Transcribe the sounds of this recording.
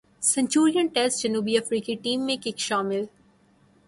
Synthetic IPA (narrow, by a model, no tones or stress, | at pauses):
sɛ̃ɲt͡ʃuːɾijə̃nʈɛlsd͡ʒɐnuːbiɐfɾiːkiʈĩːmːẽkɪkʃaːmɪl